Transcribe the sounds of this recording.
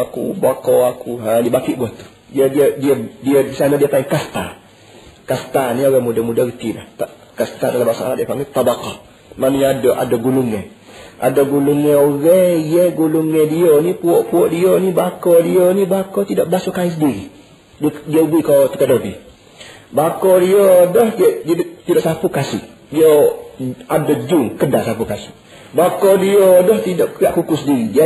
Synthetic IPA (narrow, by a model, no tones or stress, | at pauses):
akṵbakɔakʰuɦadiəbakiʔbuaht̪u̥ | diədiədiədiədisanadiəpaiŋkast̪a̰ | kast̪anioɣɛmudamudaɡit̪ila̰ht̪aʔ | kast̪adalambasaa̰laʔdiəpaŋɡɛt̪ˤːɑbaqɑ | manuɲaadoʔa̰doɡuluŋɛ | ʔa̰doɡuluŋɛoɣɛjɛɡuluŋɛdionipuɔʔpuɔʔdionibakɔdionibakɔt̪idɔʔbasukais̬ədiɾi | ddiobikot̪ə̥kədobḭ | bakɔdiɔdɔhdiɛʔdidt̪idoʔsapukasɪ̰ʔdio | adɔd͡ʒuŋkədasapukasiʔ | bakɔdiɔdɔht̪idɔʔkiaʔkukʊsədiɾidia